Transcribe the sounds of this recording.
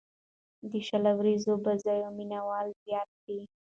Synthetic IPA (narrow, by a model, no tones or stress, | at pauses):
d̪əʃalawɾizobazɑjominawɑlzjɑt̪̚d̪i